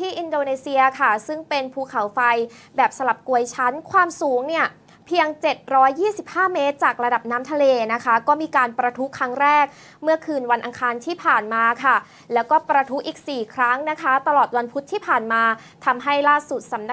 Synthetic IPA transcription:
t̪ʰiː˥˩ʔi˧ndoː˧neː˧si˧ɐkʰa˥˩sɯ˥˩ŋpe˧npʰuː˧kʰa˩˦wfa˧jbɛː˨˩p̚sa˧la˨˩p̚ku˧əjt͡ɕʰa˦˥nkʰwaː˧msuː˩˦ŋni˥˩ɐ | pʰi˧əŋt͡ɕe˨˩t̪̚ɾɔː˦˥jːiː˥˩si˨˩p̚haː˥˩meː˦˥t̪̚t͡ɕaː˨˩k̚ɾa˧da˨˩p̚naː˦˥mt̪ʰa˧leː˧na˦˥kʰa˦˥kɔː˥˩miː˧kaː˧npɾa˧t̪ʰu˦˥kʰɾa˦˥ŋɾɛː˥˩k̚ | mɯ˥˩ɐkʰɯː˧nwa˧nʔa˧ŋkʰaː˧nt̪ʰiː˥˩pʰaː˨˩nmaː˧kʰa˥˩ | lɛː˦˥wkɔː˥˩pɾa˧t̪ʰu˦˥ʔiː˨˩k̚siː˨˩kʰɾa˦˥ŋna˦˥kʰa˦˥t̪a˧lɔː˨˩t̪̚wa˧npʰu˦˥t̪ʰːiː˥˩pʰaː˨˩nmaː˧ | t̪ʰa˧mɦa˥˩jlaː˥˩su˨˩t̪̚sa˩˦mna˦˥

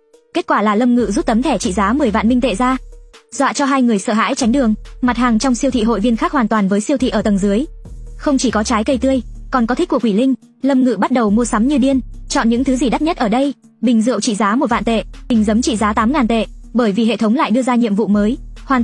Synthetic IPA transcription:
ke˦˥t̚kwaː˧˩laː˨˩lə˧mŋɨ̰˧˨zu˦˥p̚t̪ə˨˦mt̪ʰɛ˧˩t͡ɕḭ˧˨zaː˨˦mɨ˨˩əjva̰ː˧˨nmï˧ŋt̪ḛ˧˨zaː˧zwa̰ː˧˨t͡ɕɔ˧ɦaː˧jŋɨ˨˩əjsə̰ː˧˩ɦa̰ː˧˥jt͡ɕa˨˦jŋ̟ɗɨ˨˩əŋma˨˩t̚haː˨˩ŋt͡ɕɔ˧wŋ͡msi˧əwt̪ʰḭ˧˨ɦo̰˧˨jvi˧ənxaː˦˥k̚hwa˨˩nt̪waː˨˩nvəː˨˦jsi˧əwt̪ʰḭ˧˨ʔəː˧˩t̪ə˨˩ŋzɨ˨˦əjxə˧wŋ͡mt͡ɕi˧˩kɔ˨˦t͡ɕaː˨˦jkə˧jt̪ɨ˧əjkɔ˨˩nkɔ˨˦t̪ʰi˦˥k̚u˧˩kwi˧˩lï˧ŋ̟ | lə˧mŋɨ̰˧˨ɓa˦˥t̚ɗə˨˩wmu˧əsa˨˦mɲɨ˧ɗi˧ənt͡ɕɔ̰˧˨nɲɨ̰˧˥ŋt̪ʰɨ˨˦zi˨˩ɗa˦˥t̚ɲə˦˥t̚ʔəː˧˩ɗə˧j | ɓï˨˩ŋ̟zɨ̰˧˨əwt͡ɕḭ˧˨zaː˨˦mo˨˩t̚va̰ː˧˨t̪ḛ˧˨ɓï˨˩ŋ̟zə˨˦mt͡ɕḭ˧˨zaː˨˦t̪aː˨˦mŋaː˨˩nt̪ḛ˧˨ | ɓəː˧˩jvi˨˩ɦḛ˧˨t̪ʰə˨˦wŋ͡mla̰ː˧˨jɗɨ˧əzaː˧ɲḭ˧˨əmvṵ˧˨məː˨˦jhwaː˨˩n

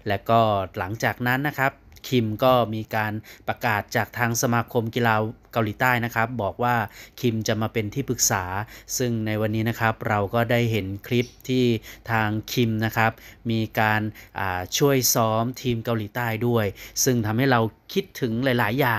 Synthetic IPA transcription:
lɛ˦˥wkɔː˥˩la˩˦ŋt͡ɕaː˨˩k̚na˦˥nːa˦˥kʰɾa˦˥p̚kʰi˧mkɔː˥˩miː˧kaː˧npɾa˧kaː˨˩t̪̚t͡ɕaː˨˩k̚t̪ʰaː˧ŋsa˧maː˧kʰo˧mkiː˧laː˧ka˧wliː˩˦t̪aː˥˩jna˦˥kʰɾa˦˥p̚bɔː˨˩k̚waː˥˩kʰi˧mt͡ɕa˨˩maː˧pe˧nt̪ʰiː˥˩pɯ˨˩k̚saː˩˦sɯ˥˩ŋna˧jwa˧nːiː˦˥na˦˥kʰa˦˥p̚ɾa˧wkɔː˥˩daː˥˩jɦe˩˦nkʰli˦˥p̚t̪ʰiː˥˩t̪ʰaː˧ŋkʰi˧mna˦˥kʰɾa˦˥p̚miː˧kaː˧nʔaː˨˩t͡ɕʰu˥˩əjsɔː˦˥mt̪ʰiː˧mka˧wliː˩˦t̪aː˥˩jdu˥˩əjsɯ˥˩ŋt̪ʰa˧mha˥˩jɾa˧wkʰi˦˥t̪ʰːɯ˩˦ŋlaː˩˦jlaː˩˦jːaː˨˩ŋ

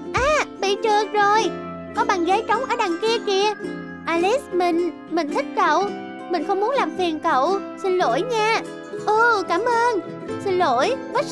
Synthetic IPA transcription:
ʔaː˨˩ɓḭ˧˨t͡ɕɨ˨˩ək̚zo˨˩j | kɔ˨˦ɓa˨˩nɣə˨˦jt͡ɕə˨˦wŋ͡mʔəː˧˩ɗaː˨˩ŋki˧əki˧˩ə | ʔaː˧li˦˥smï˨˩ŋ̟ | mï˨˩ŋ̟t̪ʰï˦˥k̚kə̰˧˨w | mï˨˩ŋ̟xə˧wŋ͡mmu˨˦ənlaː˨˩mfi˨˩ənkə̰˧˨wsi˧nlo˧˩˦jɲaː˧ | ʔɨː˨˩kaː˧˩mʔəː˧n | si˧nlo˧˩jvə˦˥

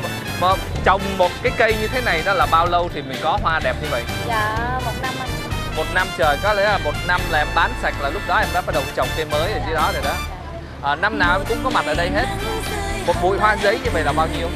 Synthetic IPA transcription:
məː˨˩t͡ɕə˨˩wŋ͡mːo˨˩t̚kaː˨˦jkə˧jɲɨ˧t̪ʰe˨˦na˨˩jɗɔ˨˦laː˨˩ɓaː˧wlə˧wt̪ʰi˨˩mï˨˩ŋ̟kɔ˨˦ɦwaː˧ɗɛ˨˩p̚ɲɨ˧və̰˧˨jʔ | aː˨˩mo˨˩t̚na˧ma˨˧˩mo˨˩t̚na˧mt͡ɕəː˨˩jkɔ˨˦lɛ̰˧˥la˨˩mo˨˩t̚na˧mlaː˨˩ʔɛ˧mɓaː˨˦nsa˨˩jk̟̚laː˨˩lʊ˦˥k͡p̚ɗɔ˨˦ʔɛː˧mɗaː˧˥˦ɓa˦˥ɗə˨˩wt͡ɕə˨˩wŋ͡mkə˧jməː˨˦jɗe˨˩zi˧˦ɗɔ˨˦ɗə˨˩jɗ | ʔəː˨˩na˧mnaː˨˩wʔɛ˧kʊ̰˧˥ŋ͡mkɔ˨˦ma˨˩t̚ʔəː˨˩ɗə˧jɦe˦˥t̚mo˨˩t̚ɓṵ˧˨jɦwaː˧zə˨˦jɲɨ˧və̰˧˨jlaː˨˩ɓaː˧wɲi˧əw

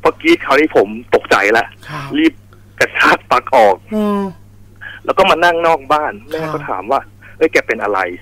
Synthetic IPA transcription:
pʰɔː˦˧˥kiː˦˥kʰa˨˩tʰiː˧˥˩pʰo˩˦mt̪o˨˩k̚t͡ɕa̰˧˩jlɛ˦˥ʔliː˥˩p̚ | ka˨˩t͡ɕʰaː˥˩k̚pa˨˩k̚ʔɔː˨˩k̚ | lɛː˦˥wkɔː˥˩maː˧na˥˩ŋnɔː˥˩k̚baː˥˩nnɛː˥˩˧kɔ˥˩t̪ʰa̰ː˩˦mwaː˥˩ | ʔɤ˦˥˩jkɛː˧pe˧nʔa˧ɾa˧j

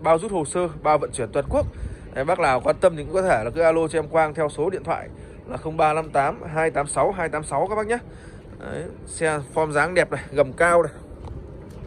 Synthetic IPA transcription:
ɓaː˧wzu˦˥t̚ho˨˩səː˧ɓaː˧wvə̰˧˨nt͡ɕi˧˩ənt̪wə˨˩nku˦˥ək̚ʔə˨˦jɓaː˦˥k̚laː˨˩wkɔː˨˦t̪ə˧mɲɨ̰˧˥kkɔ˨˦t̪ʰe˧˩laː˨˩kɨ˨˦ʔaː˧lo˧t͡ɕɔ˧ɛ˧mkwaː˧ŋt̪ʰɛ˧wso˨˦ɗḭ˧˨t̪ʰwa̰ː˧˨j | laː˨˩xə˧wŋ͡mɓaː˧na˧mt̪aː˨˦mɦaː˧jt̪aː˨˦msa˨˦wɦaː˧jt̪aː˨˦msa˨˦wkaː˦˥ɓaː˦˥k̚ɲaː˦˥ | ʔə̰˨˦j | sɛ˧fɔ˧mzaː˨˦ŋɗɛ˨˩p̚nə˨˩jɣə˨˩mkaː˧wnə˨˩

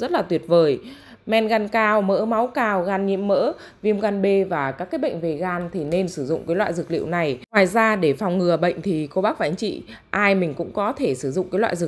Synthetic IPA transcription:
zə˦˥t̚laː˨˩t̪wi˨˩ət̚vəː˨˩j | mɛ˧nɣa˧nkaː˧wmə̰ː˧˥ma˨˦wkaː˧wɣaː˧nɲḭ˧˥əmːə̰ː˧˥ | vi˧əmɣaː˧nɓe˧vaː˨˩kaː˦˥kːaː˨˦jɓə̰˧˨jŋ̟ve˨˩ɣaː˧nt̪ʰi˨˩ne˧nsɨ˧˩zʊ̰˧˨ŋ͡mkaː˨˦jlwa̰ː˧˨jzɨ˨˩k̚lḭ˧əwna˨˩jŋwaː˨˩jzaː˧ɗe˧˩fa˨˩wŋ͡mŋɨ˨˩əɓə̰˧˨jŋ̟t̪ʰi˨˩ko˧ɓaː˦˥k̚vaː˨˦ŋt͡ɕḭ˧˨ʔaː˧jmï˨˩ŋ̟kʊ̰˧˥ŋ͡mkɔ˨˦t̪ʰe˧˩sɨ˧˩zʊ̰˧˨ŋ͡mkaː˨˦jlwa̰ː˧˨jzɨ˨˩

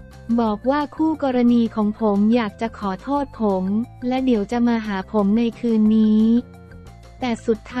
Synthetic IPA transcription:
bɔː˨˩k̚waː˥˩kʰuː˥˩kɔː˧ɾa˧niː˧kʰɔː˩˦ŋpʰo˩˦mjaː˨˩k̚t͡ɕa˨˩kʰɔː˩˦t̪ʰoː˥˩t̪̚pʰo˩˦mlɛ˦˥di˩˦əwt͡ɕa˨˩maː˧ɦaː˩˦pʰo˩˦mna˧jkʰɯː˧nːiː˦˥ | t̪ɛː˨˩su˨˩t̪ʰːa

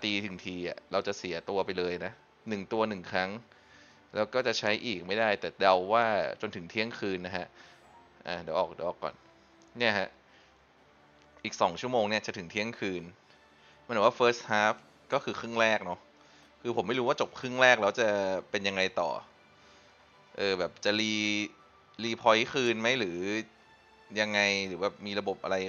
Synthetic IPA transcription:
t̪iː˧t̪ʰɯ˩˦ŋt̪ʰiː˧ʔa̰˨˩ɾa˧wt͡ɕa˨˩si˩˦t̪u˧ɐpa˧jlɤː˧jna˦˥ | nɯ˨˩ŋt̪u˧ɐnɯ˨˩ŋkʰa˦˥ŋ | lɛː˦˥wkɔː˥˩t͡ɕa˨˩t͡ɕʰa˦˥jʔiː˨˩k̚ma˥˩jda˥˩jt̪ɛː˨˩da˧wːaː˥˩t͡ɕo˧nt̪ʰɯ˩˦ŋt̪ʰi˦˥ə˩ŋkʰɯː˧nːa˦˥kʰa˦˥ʔ | ʔaː˨˩dɛː˩˦wʔɔː˨˩k̚da˧˦ʔːkːɔ̰ː˨˩n | ni˥˩ɐɦʰa˦˥ʔ | ʔiː˨˩k̚sɔː˩˦ŋt͡ɕʰu˥˩əmoː˧ŋni˥˩ɐt͡ɕa˨˩t̪ʰɯ˩˦ŋt̪ʰi˦˥ə˩ŋkʰɯː˧n | ma˦˥nː˨˦waː˥˩fɤː˦˥shaː˦˥f | kɔː˥˩kʰɯː˧kʰɯː˥˩˨ŋɾɛː˥˩k̚nɔ˦˥ | kʰɯː˧o˩˦mːa˥˩jɾuː˦˥waː˥˩t͡ɕo˨˩p̚kʰɯ˥˩əŋɾɛː˥˩k̚lɛː˦˥wt͡ɕa˨˩pe˧nja˧ŋːa˧jt̪ɔ̰ː˨˩ | ʔɤː˧bɛː˨˩p̚t͡ɕa˨˩liː˧ | liː˧pʰɔː˧jxɯː˧nma˦˥jɾɯː˩˦ | ja˧ŋːa˧jɾɯː˩˦bɛː˨˩p̚miː˧ɾa˧bo˨˩p̚ʔa̰˧ɾa˧j

